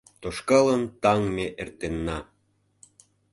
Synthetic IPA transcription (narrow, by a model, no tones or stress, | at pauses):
t̪oʃkɑlənt̪ɑŋmeʔert̪enːɑ